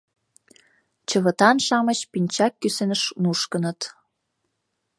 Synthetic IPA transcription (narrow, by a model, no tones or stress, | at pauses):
t͡ɕə̆βə̆t̪ɑnʃɑmət͡ɕpinʲt͡ɕɑkːysenəʃnuʃkənət̪